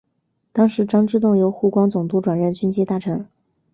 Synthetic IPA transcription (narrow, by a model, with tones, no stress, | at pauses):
t̪ɑ˥ŋʂɻ̩˧˥ʈ͡ʂɑ˥ŋʈ͡ʂɻ̩˥˧t̪ʊ˥˩ŋjo˧˥ʊxu˥˩kwɑ˥ŋt͡sʊ˨˩ŋt̪u˧˥ʈ͡ʂwa˨˩nɻə˥˩nt͡ɕy˥nt͡ɕʰi˥t̪a˥˩ʈ͡ʂʰɤ˧˥ŋ